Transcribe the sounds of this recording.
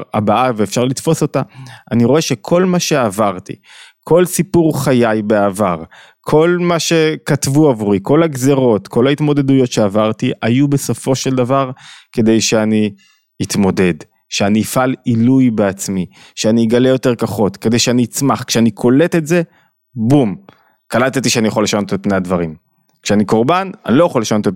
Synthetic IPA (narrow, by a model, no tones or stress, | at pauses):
a̰baʔaveːfʃaʁlit̪fo̞so̞t̪aaniʁoe̞ʃekʰo̞lmaʃe̞avaʁt̪ḭ | kʰo̞lsipuʁχajajbeavaʁ | kʰo̞lmaʃe̞katvuavuʁiko̞laɡzeʁo̞t̪kʰo̞lhaitmo̞d̪e̞d̪ujo̞tʃeavaʁtiʔajube̞so̞fo̞ʃe̞ld̪avaʁke̞d̪ejʃe̞aniː | t̪mo̞de̞d | ʃeanifalilujbe̞at͡smi | ʃeaniɡale̞jo̞te̞ʁkaχo̞tke̞d̪e̞jʃeaniːt͡smaχkʃeanikʰo̞le̞te̞tze̞ | bum | kalat̪et̪iʃeanijaχoleʃano̞t̪et̚pnejadvaʁim | kʃeaniko̞ʁbananilojaχoleʃano̞t̪e